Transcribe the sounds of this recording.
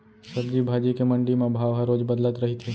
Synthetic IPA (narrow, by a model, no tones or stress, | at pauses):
sɐbd͡ʒiːbʱaːd͡ʒikemɐ̃ɳɖimẽbʱaːʋɦəɾoːd͡ʒbɐd̪lət̪ɾɐɦit̪ʰi